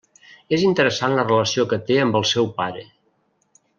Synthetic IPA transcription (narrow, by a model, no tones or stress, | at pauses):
ezint̪əɾəsanlərələsiokət̪eəmbəlˠsɛwpaɾə